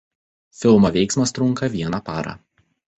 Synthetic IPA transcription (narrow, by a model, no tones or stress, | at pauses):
fʲɪlˠmɐːʋʲɛɪksmɐst̪ɾʊŋˑkɐʋʲiɛnɑpɑːɾɑ̰